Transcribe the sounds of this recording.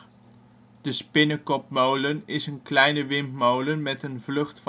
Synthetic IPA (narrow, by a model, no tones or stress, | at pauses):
d̥əspɪnəkɔpmowlənɪsənklɛjnəʋɪmpmowlənmɛtənvlɵχtf